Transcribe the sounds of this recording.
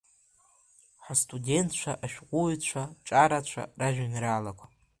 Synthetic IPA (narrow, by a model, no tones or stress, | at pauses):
ħastʼudʲentʰt͡ʃʷʰaʔaʃᶣqʷʼujt͡ʃʷʰaʈ͡ʂʼaɾat͡ʃʷʰa̰raʒᶣanɾaːlakʷʰa